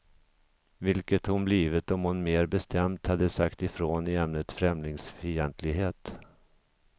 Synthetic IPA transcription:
vɪlkət̪hʊnbliːvət̪ɔmhʊnmeːɾbɛst̪ʰɛmt̪had̪ːəsakt̪ɪfɾoːnɪɛmnət̪fɾɛmlɪŋsfijɛnt̪ʰlɪɡɦeːt̪

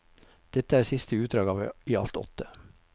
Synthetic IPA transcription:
d̪̥ɛt̪əæːɾsɪst̪əʉːt̪̚d̪ɾɑːɡɑːʋiːɑ̰lt̪ɔ̰t̪ə

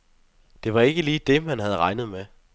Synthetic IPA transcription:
d̥e̝ʋɑ̈e̝ɡ̥əliːd̥e̝mænɦæð̞̩ˠʁɑ̈ɪnəð̩ˠme

